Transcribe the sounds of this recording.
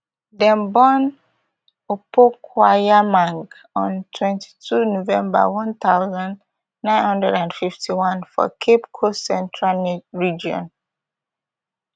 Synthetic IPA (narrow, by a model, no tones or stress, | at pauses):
dɛ̃mbɔn | opokʰwajamãŋɡ | ɔ̃ntʰwɛ̃ntʰi̥tʰunovɛ̃mba̰wɔ̃nt̪aʊzãn | nãɪ̃nhʌ̃ndɹɛdãndfiftʰiwɔ̃nfɔ̰kʰepkʰosɛ̃ntʰɹanɹid͡ʒiɔ̰̃n